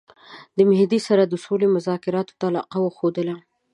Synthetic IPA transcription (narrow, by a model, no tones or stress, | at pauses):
d̪əmɪhd̪isaɾad̪əsolemʊzɑkɪɾɑt̪o̥t̪aːlɑ̰qawəxod̪əla